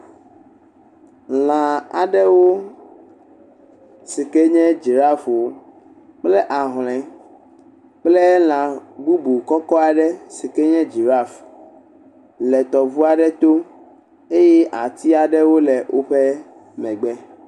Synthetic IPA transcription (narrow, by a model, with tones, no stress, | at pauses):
l̃ã˨a̰˨ɖɛ˦wo˦ | si˨ke˦ɲɛ̃˦d͡ʒi˨ɾa˦fwo˦ | k͡plɛ˦ʔa˨ɦlɛ̃˨ | k͡plɛ˦l̃ã˨ɡu˦bu˨kɔ˦kɔ˦a˨ɖɛ˦si˨ke˦ɲɛ̃˦d͡ʒi˨ɾa˦˨f | lɛ˨t̪ɔ˨vu˦a˨ɖɛ˦t̪o˦ | e˦jɛ˦ʔa˨t̪i˦a˨ɖɛ˦wo˦lɛ˨wʔo˦ɸɛ˦ | mɛ̃˨ɡ͡bɛ˦